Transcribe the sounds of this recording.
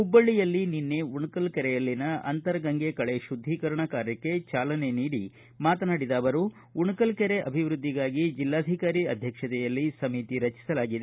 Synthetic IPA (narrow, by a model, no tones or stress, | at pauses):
ubːɐɭːijɐlːininːeuɳukɐlkɛɾɛjɐlːinɐɐ̰nt̪ɐɾɐɡɐŋɡekɐɭeʃud̪ʱːiːkɐɾɐɳɐkaːɾjɐkːe̞t͡ʃaːlɐne̞niːɽi | maːt̪ɐnaːɽid̪aːʋɐɾu | uɳukɐlkɛɾe̞ʔɐbʱiʋɾud̪ʱːiɡaːɡid͡ʒilːaːd̪ʱikaːɾiɐd̪ʱjɐkʂɐt̪ɛjɐlːisɐmit̪iɾɐt͡ʃi̥sɐlaːɡid̪e